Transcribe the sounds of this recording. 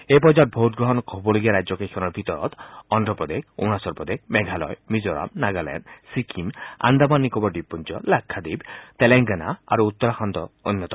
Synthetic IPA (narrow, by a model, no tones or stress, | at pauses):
ep̬ɔd͡ʒat̪̚bʱowt̪̚ɡɾɔɦɔnɔkɔbɔliɡiaɾajd͡ʒɔkekʰɔnɔɾbʱit̪ɔɾɔ̰t̪ɔndɾɔpɔd̪ekʰunasɔɾpɾɔd̪ekʰmɛɡʱalɔ̰jmid͡ʒɔɾa̰mnaɡalɛ̰nsikʰima̰nd̪amanːikɔbɔɖipːunt͡ʃɔ̰lakʰːad̪ibt̪eleŋɡana̰a̰ɾuut̪ːɔɾaxʰɔnd̪ɔɔnjɔt̪ɔ